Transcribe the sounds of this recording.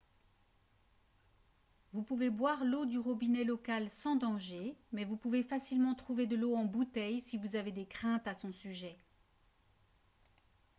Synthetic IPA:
vupuvebwaʁlod̪yʁɔbinɛlɔkalsɑ̃d̪ɑ̃ʒemɛvupuvefasilmɑ̃t̪χuved̪əloɑ̃but̪ɛjsivuzaved̪ekχɛ̃t̪asɔ̃syʒɛ

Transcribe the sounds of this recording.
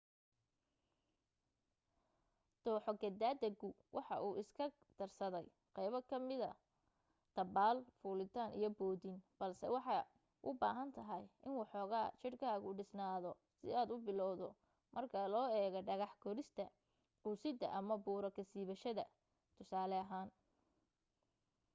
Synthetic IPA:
d̪̥ɔːħɔɡɐd̪aːd̪ɐɡʊ | wʔɑħɑʔuːʔɪskʰɐ | d̪̥ɐrsɐðɛj | qɛjβɐkʰɐmɪðɐ̰ | t̪ʰɐbaːlfuːlɪt̪ʰaːnʔḭjɞbɔːdinb̥ɐlsɛ̰wɑħɑ | ʔʊbaːɦɐnt̪ʰɐɦɐjɪnwɑħɔːɣaːt͡ʃɪrkʰaːɣʊɖɪsnaːðɔ | sɪ̰aːd̪ʊbɪlɔwðɔ | mʔɐrkʰɐlɔːɛːɣɛɖɐɣɑħɡʰɔɾɪst̪ʰɐ | usɪd̪ɐ̰ʔɐmɐbuːɾɐkʰɐsiːβɐʃɐðɐ | t̪ʰʊsaːlɛɐɦaːn

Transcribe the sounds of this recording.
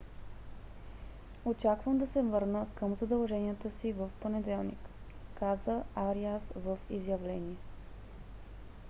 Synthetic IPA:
ot͡ʃakvəmd̪ɐsɛvɤɾnəkɤmzɐd̪ɐlˠʒɛnijət̪əsivəfponɛd̪ɛlˠnḭkːazəaɾiasvəfizjɐvlɛniɛ

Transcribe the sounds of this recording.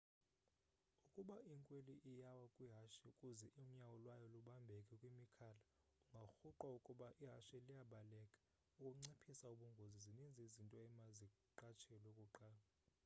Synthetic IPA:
ukʼuɓaiŋkʼweliʔijawakʼwiɦaʃiukʼuzɛʔum̩ɲawɔlwajɔluɓambʱɛkʼɛkʼwimikʰala | uŋɡʱaxuǃwaukʼuɓaʔiɦaʃɛlijaɓalɛkʼḁ | ukʼuŋ͡ǀipʰisauɓuŋɡʱozizinind͡zʱizintʼɔɛmazikʼ | ǃat͡ʃʰɛɔlokʼuǃaːla

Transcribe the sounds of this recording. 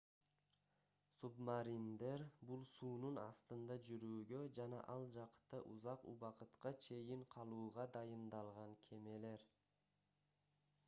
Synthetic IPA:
submaɾind̪e̞ɾbulˠsuːnunɑ̰st̪ɯnd̪ɑd͡ʒyɾyːɡø̞d͡ʒɑnɑ̰ʔɑlˠd͡ʒɑqt̪ɑʔuzɑqṵβɑqɯt̪qɑt͡ʃʰe̞jiɴqʰɑlˠuːʁɑd̪ɑjɯnd̪ɑlˠʁɑŋkʲʰe̞me̞le̞ɾ

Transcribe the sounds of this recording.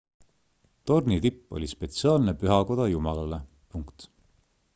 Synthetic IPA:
t̪o̞rnit̪ipˑːo̞̰lʲispe̞t̪siɑːlnepyɦɑko̞d̪̥ɑjumɑlɑle̞ | puŋkt̪

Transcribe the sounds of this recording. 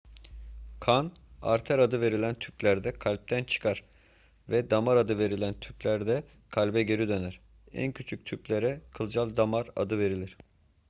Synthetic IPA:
kʰan | a̰ɾt̪ʰæɾad̪ɯve̞ɾilʲænt̪ʰypʲlʲæɾd̪ɛkʰalʲp̚t̪ʰænt͡ʃʰɯ̥kʰaɾ̥ | vɛd̪amaɾad̪ɯve̞ɾilʲænt̪ʰyplʲæɾd̪ɛ | kʰalʲbɛɟeɾid̪ø̞næɾ̥ | æ̰ncʰyt͡ʃʰyc̚t̪ʰyplʲeɾɛkʰɯlˠd͡ʒalˠd̪amaɾa̰d̪ɯve̞ɾilʲiɾ̥

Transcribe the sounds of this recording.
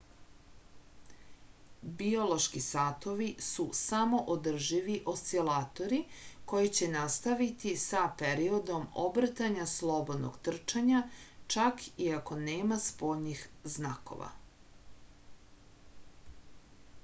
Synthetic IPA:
bio̞lˠo̞ʃkisaːt̪o̞ʋisusamo̞ʔod̪r̩ʒiʋiʔo̞st̪silaːt̪o̞ɾiko̞jit͡ɕe̞nast̪aʋit̪isapeɾio̞d̪o̞mobr̩t̪aɲaslˠo̞bo̞d̪no̰ɡt̪r̩t͡ʃaɲat͡ʃakʰiako̞neːmaspo̞ːʎnixznako̞̰ʋa̰

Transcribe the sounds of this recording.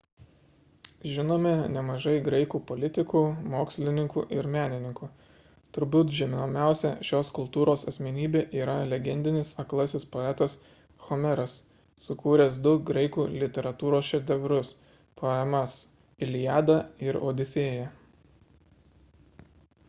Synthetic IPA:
ʒʲɪnoːmʲɛnʲɛmɐʒɐɪɡɾɐɪkuːpɔlʲɪt̪ʲɪkuːmoːksʲlʲɪnʲɪŋkuːʔɪɾmʲæːnʲɪnʲɪŋkuː | t̪ʊɾbʲuːt̪ʒʲɛmʲoːmʲæˑʊsʲɛʃʲoːskʊlˠt̪uːɾoːsɐsʲmʲɛnʲiːbʲeːʔiːɾɐlʲɛɡʲɛnʲd̪ʲɪnʲɪsɐklˠɐsʲɪspoɛt̪ɐs | xɔmʲɛɾɐsː | ʊkuːɾʲɛsd̪ʊɡɾɐɪkuːlʲɪt̪ʲɛɾɐt̪uːɾoːsʃʲɛd̪ʲɛʋʲɾʊs | pʰoɛmɐs | ɪlʲɪjæːd̪ɐɪɾo̰ːd̪ʲɪsʲeːjɛ

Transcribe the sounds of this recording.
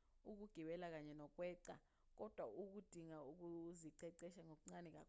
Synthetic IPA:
uk̬uɡ̥ʱiɓɛlak̬aɲɛnɔk̬ʼwɛːǀa | k̬ʼɔd̥ʱwauk̬ud̥ʱiŋauk̬uziǀɛǀɛʃaŋok̬uŋ͡ǀanɛk̬ʼa̰kʰ

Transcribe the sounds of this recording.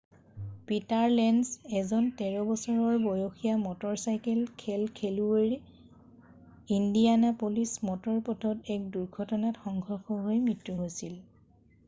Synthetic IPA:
pitaɹlɛnsɛzɔntɛɹɔbɔsɔɹɔɹbɔjoxijamɔtɔɹsajkɛlkʰɛlkʰelueɹi | indianapolismɔtɔɹpɔtʰɔtɛk̚duɹɡʱɔtɔnatxɔŋɡʱɔxɔɦojmɹitɹuɦojsil

